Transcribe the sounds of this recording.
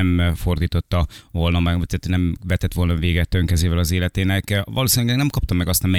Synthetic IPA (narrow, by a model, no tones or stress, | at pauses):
ɛmfo̞rd̪iːt̪o̞t̪ːɒvo̞lnɒmɛɡt̪æt̪nɛmvɛt̪ɛt̪ʋo̞lnɒveːɡɛt̪ːøŋkɛzeːvɛlɒzeːlɛt̪eːnɛkʋɒ̰loːsinylɛɡnɛmkɒp̚t̪ɒmːɛɡɒst̪ɒmɛ